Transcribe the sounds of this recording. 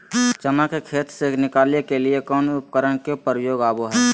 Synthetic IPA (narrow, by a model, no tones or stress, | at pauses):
t͡ʃəmakekʰeːt̪senɪkaːlekeliekɔːnʊpkəɾəɳkepəɾjoːɡaːboɦɛː